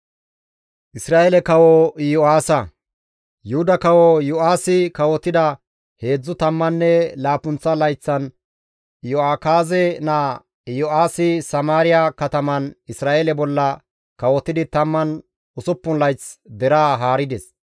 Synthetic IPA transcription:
ʔɪsɾaːʔelɛkɐwɔjɔaːsɐ | jʊhʊd̪ɐkɐwɔjʊʔaːsɪkɐwɔt̪ːɪd̪ɐ | he̞ːd͡zːʊt̪ɐmːɐnːɛlaːpʊnt͡sːɐlɐjt͡sːɐn | jʊaːkaːzɛnaː | jɔʔaːsɪsɐmaːɾɪjakɐt̪ɐmɐnɪsɾaːʔelɛbɔlːɐ | kɐwɔt̪ːɪd̪ɪt̪ɐmːɐn | ʊsʊpːʊnlɐjt͡sd̪ɛɾaːɦaːɾɪd̪ɛs

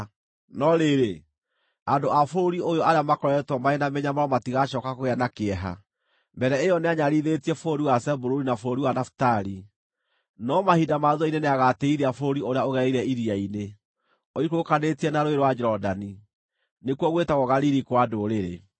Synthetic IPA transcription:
nɔɾeɾe | andoʔafoɾoɾiojɔaɾeamakɔɾɛtwɔmaenameɲamaɾɔmatiɣaʃɔːkakoɣeanakeɛɦa̰ | mbɛɾɛejɔneaɲaɾiðetiɛfɾoɾiwasɛboɾoɾinafoɾoɾiwanafu̥taɾi | nɔmahidamaðɔineneaɣateiɾɛafoɾoɾioɾeaoɣɛɾɛiɾɛiɾiaine | ɔikokanetiɛnaɾoeɾwad͡ʒɾɔdani | nekwɔɣwetaɣɔɣaɾiɾikwadoɾeɾḛ

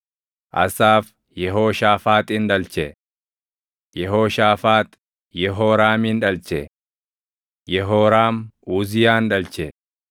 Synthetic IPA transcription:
ʔɐ̰saːf | jɛɦoːʃaːfaːt̪ʼɪnᶑɐlt͡ʃɛ | jɛɦoːʃaːfaːt̪ | jɛɦoːɾaːmiːnᶑɐlt͡ʃɛ | jɛɦoːɾaːmuːzɪjaːnᶑɐlt͡ʃɛ

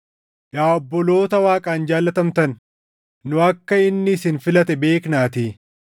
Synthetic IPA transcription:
ʔaːɔbːɔlo̞ːt̪ɐwaːkʼaːnd͡ʒaːlːɐt̪ɐmt̪ɐnː | ʊɐkːɐɪnːɪːsɪnfɪlɐt̪ɛbe̞ːknaːt̪iː

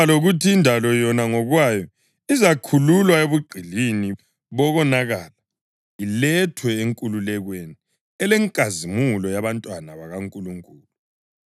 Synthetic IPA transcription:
aloɣutʰiːndʱalɔjɔnaŋɔɣwajɔ | izakʰululwaeβuɡ͡ǀʱilini | βɔɣɔnaɣala | ilɛtʰwɛeŋkʼululɛɣweni | ɛlɛŋkʼazimulɔjaβantʼwanaβaɣaŋkʼuluŋkʼuːlu

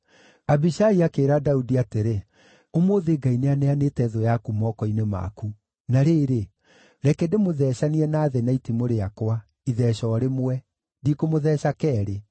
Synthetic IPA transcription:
abiʃaiakeːɾadaudiateɾe | omwoðeɡaineaneaneːtɛðojakumɔkɔinema̰ku | naɾeːɾe | ɾɛkɛdemoðɛːɕaniɛnaːðɛnaitimoɾeakwa | iðɛʃɔːɾemwɛ | dikomoðɛːɕakɛːɾe

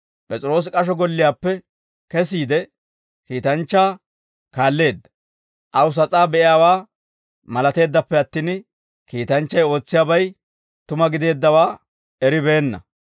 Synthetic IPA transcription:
pʼɛt͡sʼɪɾo̞ːs̬kʼɐʃ̬ɔɡɔlːɪjaːpːɛ | kɛs̬iːd̪ɛ | kiːt̪ɐnt͡ʃːaː | kaːlːe̞ːd̪ːɐ̥ | ʔɐwʊs̬ɐt͡sʼaːbɛʔɪjaːwaː | mɐlɐt̪e̞ːd̪ːɐpːɛɐt̪ːiːn | kiːt̪ɐnt͡ʃːɐjo̞ːt͡sːɪjaːbɐj | t̪ʊmɐɡɪd̪e̞ːd̪ːɐwaː | ɛɾɪbɛːnːɐ̰

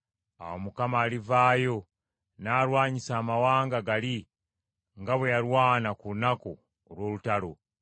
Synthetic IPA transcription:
a̰womukamaːlivaːjo̞ | naːɾwaːɲisaːmawaːŋɡaɡali | ŋɡaβwe̞jaɾwaːnakuunako̞ː | lwoːlutalo̞

